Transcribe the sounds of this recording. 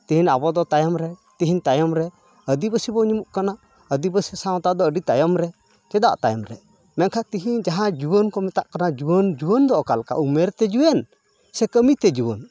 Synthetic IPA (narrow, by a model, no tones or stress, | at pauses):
t̪iɦinabɔd̪ɔt̪ajɔmɾɛt̪iɦint̪ajɔmɾɛ | əd̪ibəsibɔɲimuʔkana | əd̪ibəsisãw̃t̪aʔd̪ɔəɖit̪ajɔmɾɛ | t͡ʃɛd̪a̰ʔt̪ajɔmɾɛ̰ | mɛnkʰat̪iɦiɲd͡ʒaɦãd͡ʒuwənkɔmɛt̪aʔkanad͡ʒuwənd͡ʒuwənd̪ɔʔɔkalka̰umɛɾt̪ɛd͡ʒuwɛn | sɛkəmit̪ɛd͡ʒuwən